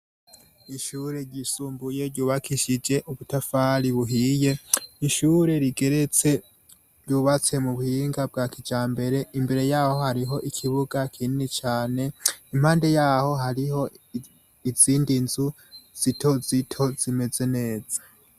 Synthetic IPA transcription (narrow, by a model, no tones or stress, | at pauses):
iʃuɾe̞ɾɟisuːmbuje̞ɾɟuːβakʰiʃid͡ʒe̞ʔuβutafaːɾiβuɦije̞iʃuːɾe̞ɾiɡe̞ɾe̞t͡se̞ | ɾjuːβat͡se̞muβuhiːŋɡab̚ɡaːkid͡ʒaːmbe̞ɾe̞imbe̞ɾe̞jaːho̞haɾiɦo̞ʔikʰiβuɡakʰininit͡ʃaːne̞im̥haːnde̞jaːho̞ɦaɾiho̞ | iziːndinzu | z̥itʰo̞zitʰo̞z̥ime̞ze̞ne̞ːz̥a